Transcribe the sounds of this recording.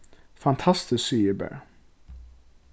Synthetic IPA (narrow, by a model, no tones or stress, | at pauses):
fɑnt̪ʰɑst̪ɪsyːəbæ̰